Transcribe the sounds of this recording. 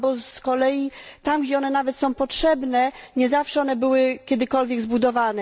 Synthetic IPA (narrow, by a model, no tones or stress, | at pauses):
bɔskɔlɛjit̪amɡd͡ʑɛɔnɛnavɛt̪sɔ̃w̃pɔtʂɛbnɛɲɛzafʂɛɔnɛbɘwɘkʲɛd̪ɘkɔlvʲjɛɡzbud̪ɔvanɛ